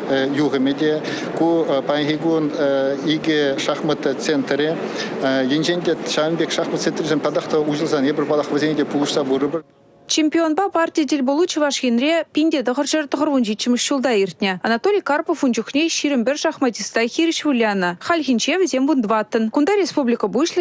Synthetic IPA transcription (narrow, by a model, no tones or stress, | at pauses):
juʁemʲed̪ʲe | kʰupʰanʲχʲeɡuniɡʲɪʃɑχmət̪t̪sent̪ɾʲe | jenʒend̪ʲet̪ʃɑmnbʲekʃɑχmət̪sʲenɾʲeʒemp̪ʰɑd̪ɑχt̪əuʒəlˠzɑnebɪɾbɑlˠɑqvezʲenʲed̪ʲepʰulˠuʃsɑbuɾəbɪ | t͡ʃʰempʲionbɑpʰartʲijəd̪elʲbolˠut̪t͡ʃʰivɑʃɡʲenɾʲepʲind̪ʲet̪əʁəɾʃeɾt̪əʁəɾwonʒet̪ʃɪmɪʃʒ̥ulˠd̪ɑeɾt̪ʲnʲeɑnat̪olʲijkʰarpofund͡ʒʊkʲnʲejʃiɾɪmbɪɾʃɑχmɑt̪ist̪ɑjxʲeɾɪʃvulʲjanəχɑlʲxʲint͡ʃevzʲembund̪vɑt̪ənkʰʊnd̪ɑɾʲespublʲijkəbuʃlˠ